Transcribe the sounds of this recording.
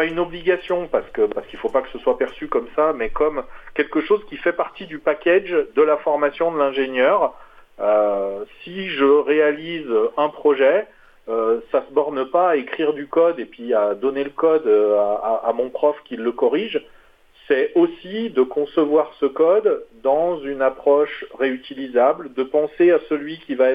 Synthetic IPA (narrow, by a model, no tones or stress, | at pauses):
paynɔbliɡasjɔ̃paʁsə̥kəpaʁsəkilfopakə̥səswapɛʁsykɔmsamɛkɔmkʲɛlkəʃozkʲifɛpaʁt̪id̪ypakʲɛʒd̪əlafɔʁmasjɔ̃d̪əlɛ̃ʒenjœʁøsiʒəʁealizɛ̃pχɔʒɛ | øsasəbɔʁnəpaːekχiʁd̪ykɔd̪epɥiad̪ɔneləkɔd̪aaamɔ̃pχɔfkʲilːəkɔʁiʒ | sɛosid̪əkɔ̃səvwaʁsəkɔd̪ːɑ̃zynapχɔʃʁeyt̪ilizabld̪əpɑ̃seasəlɥikʲivaɛ